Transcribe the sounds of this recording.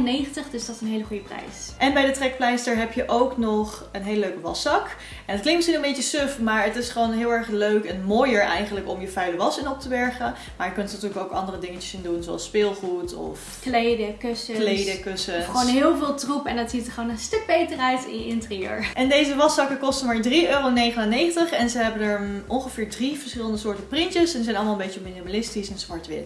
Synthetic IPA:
nejχntəχdøsdɑtɪsənɦejləχujəprɛ̰jsʔɛnbɛjdətrɛk̚plɛjsdəɹɦɛpjəʔowknɔχənɦeːləløɥkəʋɑsɑk | ɛnətklɪŋtmɪsχinənbejcəsøfmaːɹətɪsχəʋownɦɪːlˠɛɹχløɥkɛnmoːjəɹʔɛjχənləkɔmjəfœɥləʋɑsɪnɔp̚təʋɛɹχə | maːɹjəkɵntənatyːɹləkowkɑndərədɪŋət͡ʃə̥sɪndunzoɑ̰lˠspɪːlˠχutɔ̰f | klejdəkøsəlejdəkøsəχonɦɪːlˠvɪːlˠtrupɛndɑtzitəχʋonəstɵk̚bejtərœɥtɪ̰njəɪntriø̰ːɹʔɛndejzəʋɑsɑkəkɔstəmaːɹdriøːrownejχənaːnejxχəntəχɛnzəɦɛbənɛɹʔɔnχəvɪːɹdrivəɹsχɪləndəsʊːɹtənprɪntəsɛnəzɛjnɑlˠmalˠəmbejcəminimalɪstisɛnsmɑɹtʋɪ̰t

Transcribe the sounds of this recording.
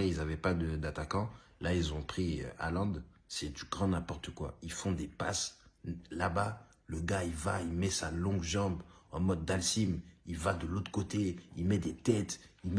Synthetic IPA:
ilzavɛpad̪əd̪at̪akɑ̃ | lailzɔ̃pχiø̰a̰lɑ̃d̪ | sɛd̪yɡʁɑ̃nɛ̃pɔʁt̪əkwa̰ilfɔ̃d̪epa̰s | laba | ləɡaivailmɛsalɔ̃ɡʒɑ̃bɑ̃mɔd̪̚ːalsimilvad̪əlot̪χkot̪eilmɛd̪et̪ɛt̪im

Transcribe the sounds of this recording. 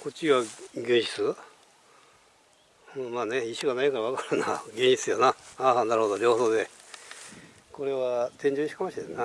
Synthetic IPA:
ko̞t͡ɕiβaɡʲɯ̃ɲ̃ɕi̥t͡sɨ | maːne̞iɕoɡanaikaɾaβ̞akaɾɯna̰ɡʲẽ̞ɲ̃ɕi̥t͡ssɨjonaaːnaɾɯ̟ho̞d̪o̞ɾʲo̞ːsod̪e̞ | ko̞ɾe̞βat̪ẽ̞ɲ̟d͡ʑoːiɕi̥kamaɕid̪ena

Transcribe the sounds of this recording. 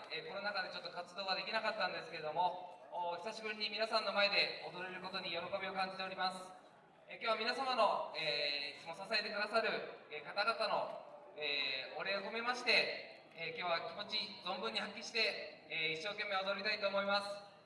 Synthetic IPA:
eːko̞nonakad̪e̞t͡ɕo̞t̪ːokat͡sɨd̪o̞ːβad̪e̞kʲinakat̪ːãnd̪e̞sɨ̥ke̞ɾe̞d̪o̞mo̞çisaɕibɯ̟ɾʲiɲ̟imʲinasãnːo̞mae̞d̪e̞od̪o̞ɾeɾɯ̟ko̞t̪o̞ɲ̟ijo̞ɾo̞ko̞bʲio̞kãɲ̟d͡ʑi̥t̪e̞o̞ɾʲimasɨ̥ | ekʲjoːβamʲinasamano̞eːit͡sɨmo̞sasae̞t̪e̞kɯ̟d̪asaɾɯ̟ekat̪aɡat̪ano̞ | eːoɾe̞oko̞me̞maɕi̥t̪e̞ | ekʲo̞ːβakʲimo̞t͡ɕizõ̞mbɯ̟̃ɲ̟ːihakʲːiɕi̥t̪e̞ | eiɕːo̞ːkʲe̞mːeo̞d̪oɾɾit̪ait̪o̞ːmo̞imasɨ̥

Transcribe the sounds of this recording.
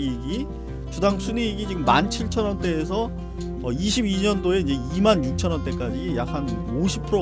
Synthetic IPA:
ɡi | t͡ɕudaŋsʰuniɡid͡ʑiɡɯmːant͡ɕʰiɭt͡ɕʰʌnʌnt͈e̞ːs̬ʰʌ | ʌiɕʰibiɲʌndoe̞id͡ʑe̞imanjuk̚t͡ɕʰʌnʌnt͈e̞k͈ad͡ʑijak̚ʰan | oɕʰi̥pʰɯɾo

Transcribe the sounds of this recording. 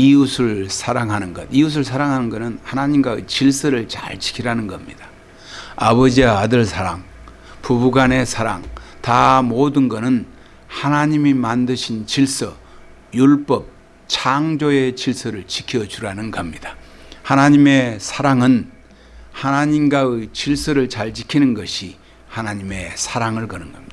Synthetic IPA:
iusʰɯɭsʰaɾaŋɦanɯnɡʌd̚ius̬ʰɯɭsʰaɾaŋɦanɯnɡʌnɯnhanaɲimɡwaɯ̰t͡ɕiɭs͈ʌɾɯɭt͡ɕa̰ɭt͡ɕi̥kʰiɾanɯnɡʌmɲḭd̥a | abʌd͡ʑiwaːdɯɭsʰaɾaŋ | pubuɡane̞sʰaɾa̰ŋtamodɯnɡʌnɯn | hanaɲimimandɯɕʰint͡ɕiɭs͈ʌ | juɭp͈ʌp̚ | t͡ɕʰaŋd͡ʑoe̞t͡ɕiɭs͈ʌɾɯɭt͡ɕikʰijʌd͡ʑuɾanɯnɡʌmɲid̥a | hanaɲime̞sʰaɾaŋɯn | hanaɲimɡaɯjt͡ɕiɭs͈ʌɾɯɭt͡ɕaɭt͡ɕikʰinɯnɡʌɕʰi | hanaɲime̞sʰaɾaŋɯɭkʌnɯnɡʌmɲida

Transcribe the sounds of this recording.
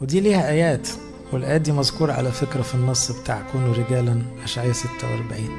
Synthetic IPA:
wed̪iːliːhæʔæːjæːt̪ | welʔæjæt̪̚d̪iːmæzkuːɾˤɑʕa̰læfekɾæfinːɑsˤːbet̪aːʕkoːnuɾeɡæːlænʔæʃʕejæset̪ːæwɑɾˤbaʕiːn

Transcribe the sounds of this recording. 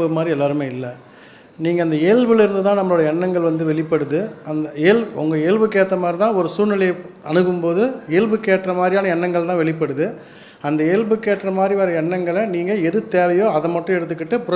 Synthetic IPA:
ɯmaːd̪ɾiɛlːaːɾɯmeːɪlːɐ | niːŋɡɐɐnd̪ɐeːɻʋɯɭɪɾɯnd̪ɯt̪ãːnɐmːɐɭoːɽɐɛɳːɐŋɡɐɭʋɐnd̪ɯʋɛɭɪpːɐɽɯðɯɐnd̪ɐeːlʊŋɡɐeːɭʋɯkeːt̪ːɐmaːd̪ɾit̪ãːɔɾɯsuːɾnɪlɐjɐɐnɯɣɯmpoːðɯeːlbɯkeːʈrɐmaːd̪ɾijaːnɐɛɳːɐŋɡɐɭt̪ãːʋɛɭɪpːɐɽɯðɯ | ɐnd̪ɐeːɭbɯkeːʈrɐmaːd̪ɾiʋɐːɾɐɛɳːɐŋɡɐɭniːŋɡɐɛðɯt̪eːʋɐjoːɐðɐmɐʈːʊ̃ɛɽɯt̪ːɯkːɪʈːɯpʊɾ

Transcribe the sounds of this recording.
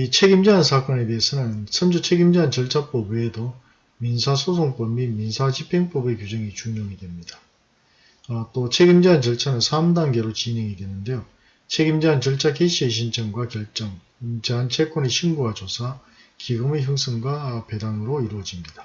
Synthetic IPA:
it͡ɕʰe̞ɡimd͡ʑeɦansʰak͈ʌne̞teesʰʌnɯnsʰɯnd͡ʑot͡ɕʰe̞ɡimd͡ʑeɦant͡ɕʌɭt͡ɕʰap͈ʌbeedo | minsʰasʰos̬ʰoŋp͈ʌmːiminsʰat͡ɕipʰeŋp͈ʌbekjud͡ʑʌŋit͡ɕuŋɲʌŋidwe̞mɲida | t͈ot͡ɕʰe̞ɡimd͡ʑeɦant͡ɕʌɭt͡ɕʰanɯnsʰamdaŋɡe̞ɾot͡ɕine̞ŋidwe̞nɯnde̞jo | t͡ɕʰe̞ɡimd͡ʑeɦant͡ɕʌɭt͡ɕʰakeɕʰieɕ̬ʰint͡ɕʰʌŋɡwakjʌɭt͡ɕ͈ʌŋ | d͡ʑeɦant͡ɕʰek͈wʌneɕʰinɡuat͡ɕosʰa | kiɡɯmeçjɯŋs͈ʰɯŋɡwape̞daŋɯɾoiɾuwʌd͡ʑimɲida

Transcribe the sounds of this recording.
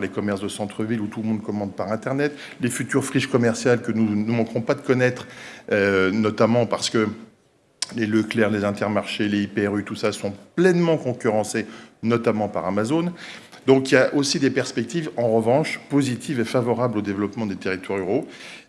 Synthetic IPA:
lekɔmɛʁsd̪əsɑ̃t̪χəvilut̪ulmɔ̃d̪kɔmɑ̃d̪paʁɛ̃t̪ɛʁnɛt̪ | lefyt̪yʁfχiʃkɔmɛʁsjalkənunumɑ̃kχɔ̃pad̪əkɔnɛt̪χønɔt̪amɑ̃paʁsə̥kə | leløklɛʁlezɛ̃t̪ɛʁmaʁʃeleipeɛʁyt̪usasɔ̃plɛnmɑ̃kɔ̃kʲyʁɑ̃senɔt̪amɑ̃pa̰ʁamazon | d̪ɔ̃kijaʔosid̪epɛʁspɛk̚t̪ivɑ̃ʁəvɑ̃ʃpozit̪ʰivefavɔʁablod̪evlɔpmɑ̃d̪et̪eʁit̪waʁyʁo

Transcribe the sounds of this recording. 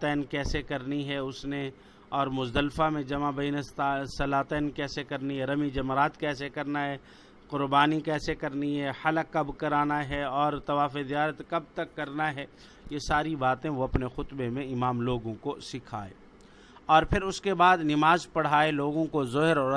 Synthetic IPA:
t̪ɛːnkɛːsekɐɾniɦɛʊsne | ɔːɾmʊzd̪əlfamẽd͡ʒɐmabɐinesɐlaːt̪ɛːnkɛːsekɐɾniɦɛɾɐmid͡ʒɐmɾaːt̪kɛːsekɐɾnaɦɛː | qʊɾbaːnikɛːsekɐɾniɦɛhɐləkɐbkɐɾaːnaɦɛɔːɾt̪ɐʋaːfed̪ijaːɾət̪kɐb̚t̪ɐkːɐɾnaɦɛː | jesaːɾibaːt̪ẽʋoɐpnexʊt̪bemẽɪmaːmloːɡõkosɪkʰa̰ːḛː | ɔːɾpʰɪɾʊskebaːd̪nɪmaːzpɐɽ̤aːeloːɡõkozɔɦɪɾɔː

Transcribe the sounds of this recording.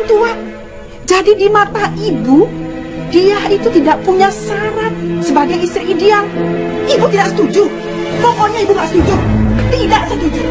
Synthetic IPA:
nt̪ua | d͡ʒadidimat̪aʔibudiahit̪ut̪idaʔpuɲasaɾat̪̚səbaɡajist̪ɾiʔidealibut̪idaʔsə̥t̪ud͡ʒu | pɔkɔɲaibuŋɡaʔsə̥t̪ud͡ʒʊt̪idaʔsət̪ud͡ʒu

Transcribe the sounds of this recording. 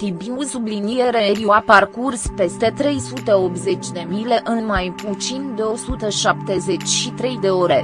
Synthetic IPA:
t̪ibimusublinijeɾeɾiuaparkurspe̞st̪e̞t̪ɾe̞jsut̪e̞o̞p̪ze̞t͡ʃʲd̪e̞mile̞ʔɨnmajput̪sind̪e̞o̞sut̪əʃap̚t̪e̞ze̞t͡ʃʲʃit̪ɾe̞jd̪e̞o̞ɾe̞

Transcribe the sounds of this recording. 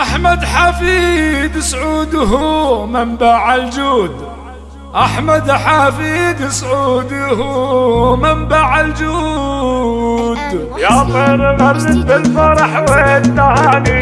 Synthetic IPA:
ʔaħmad̪ħafid̪sʕuːd̪ɦumɪmbaʕald͡ʒuːd̪ | ʔaħmad̪ħafid̪sʕud̪ɦumɪmbaʕald͡ʒu | d̪ | jafeɾɣaɾɪbɪlfɑɾˤɑħweːt̪ːahaːni

